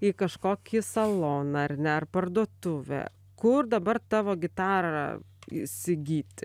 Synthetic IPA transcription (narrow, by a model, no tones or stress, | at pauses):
ikɐʃkoːkʲɪsɐlˠoːnɑɐrnʲɛɐrpɐrd̪uɔt̪ʊʋʲɛ̰ | kʊrd̪ɐbɐrt̪ɑːʋoːɡʲɪt̪ɑːɾɑ̰ | ɪ̰ʃʲsʲɪɡʲiːt̪ʲ